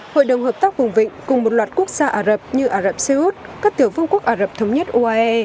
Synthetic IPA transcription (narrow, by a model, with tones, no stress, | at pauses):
ho̰˧˨jɗə˨˩wŋ͡mhɦəː˨˩p̚t̪aː˦˥k̚vʊ˨˩ŋ͡mvḭ̈˧˨ŋ̟kʊ˨˩ŋ͡mmo˨˩t̚lwaː˨˩t̚ku˦˥ək̚z̥aː˧ʔaː˧˩zə˨˩p̚ɲɨ˧ʔaː˧˩zə˨˩p̚se˧ʔu˦˥t̚kaː˦˥k̚t̪i˧˩əwvɨ˧əŋku˦˥ək̚ʔaː˧˩zə˨˩p̚t̪ʰə˨˦wŋ͡mɲə˦˥t̚ʔu˧ʔaː˧ʔɛ˧